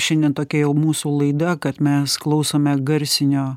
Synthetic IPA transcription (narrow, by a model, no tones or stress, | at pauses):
ʃʲɛnʲdʲɛnt̪oːkʲɛjɛʊmuːsuːlˠɐɪd̪ɐkɐt̪mʲɛsklˠɐʊsoːmʲɛɡɐɾʲsʲɪnʲoː